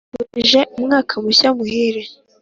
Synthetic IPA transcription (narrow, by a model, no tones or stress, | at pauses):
wuʒeumŋaːkʰamuɕamuhiɾe